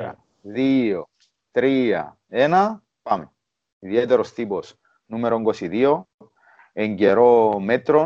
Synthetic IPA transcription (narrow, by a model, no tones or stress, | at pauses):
a̰ | ðio | t̪ɾia̰ | ena | pame | iðjet̪eɾost̪ipos | numeɾoŋɡosiðio | eɲɟeɾomet̪ɾo